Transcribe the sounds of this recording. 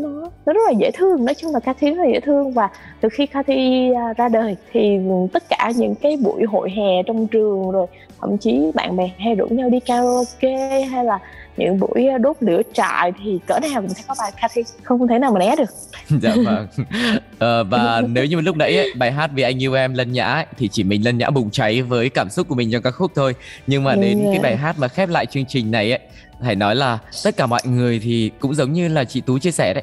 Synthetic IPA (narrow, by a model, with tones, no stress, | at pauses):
ɗɔ˨˦nɔ˨˦zə˦˥t̚laː˨˩zḛ˧˥t̪ʰɨ˧əŋnɔ˨˦t͡ɕʊ˧ŋ͡mlaː˨˩kaː˧t̪ʰi˧zt̚laː˨zḛ˧˥˦t̪ʰɨ˧əŋvaː˨˩ | t̪ʰɨ˨˩xi˧xaː˧t̪ʰiː˧zaː˧ɗəː˨˩jt̪ʰi˨˩t̪ə˦˥t̚kaː˧˩ɲɨ̰˧˥ŋkaː˨˦jɓṵ˧˩˥jɦo̰˧˨jɦɛ˨˩t͡ɕɔ˧wŋ͡mt͡ɕɨ˨˩əŋzo˨˩j | t̪ʰə̰˧˩mt͡ɕi˨˦ɓa̰ː˧˨nɓɛ˨˩ŋɦa˧jzṵ˧˩˦ɲa˧wɗi˧kaː˧wo˧ke˧ɦa˧jlaː˨˩ɲɨ̰˧˥ŋɓṵ˧˥jɗo˦˥p̚nɨ̰˧˥ət͡ɕa̰ː˧˨jt̪ʰi˨˩kəː˧˩na˨˩wkʊ̰˧ŋ͡msʰa˧˦jkɔ˨˦ɓaː˨˩jkaː˧t̪ʰi˧xə˧wŋ͡mxə˧wŋ͡mt̪ʰna˨wma˨˩nʔɛ˨˦ɗɨ˨˩ək̚za̰ː˧˨və˧˩ŋ | ʔəː˨˩vaː˨˩ne˨˦wɲɨ˧˨˩lʊ˦˥k͡p̚ɗə̰˧˦jʔə˨˦jɓaː˨˩jɦaː˦˥t̚vi˨˩ʔa˧jŋ̟ʔɨ˧wʔɛ˧mlə˧nɲa̰ː˧˥ə˧˦jt̪ʰi˨˩t͡ɕi˧˩mï˨˩ŋ̟lə˧nɲa̰ː˧˥ɓʊ˨˩ŋ͡mt͡ɕa˨˦jvəː˨˦jkaː˧˩msʊ˦˥k͡p̚ku˧˩əmï˨˩ŋ̟t͡ɕɔ˧kaː˦˥k̚xʊ˦˥k͡p̚t̪ʰo˧jɲɨ˧ŋmaː˨˩ɗe˨˧˦naː˨˦jɓaː˨˩jɦaː˦˥t̚maː˨˩xɛ˦˥p̚la̰ː˧˨jt͡ɕɨ˧əŋt͡ɕï˨˩ŋ̟na˨˩jʔə˨˦j | t̪aː˧˩jnɔ˨˦jlaː˨˩t̪ə˦˥t̚kaː˧˩mɔ̰˧˨jŋɨ˨˩əjt̪ʰi˨˩kʊ̰˧˥ŋ͡mzə˨˦wŋ͡mɲɨ˧laː˨˩t͡ɕḭ˧˨t̪u˨˦t͡ɕi˧əsɛ˧˩ɗə̰˨˦